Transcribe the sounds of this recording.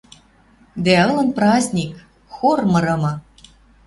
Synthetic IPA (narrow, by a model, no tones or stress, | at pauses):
d̪æɤ̆lˠɤ̆nprɑzʲnʲik | xormɤ̆ɾɤ̆mɤ̆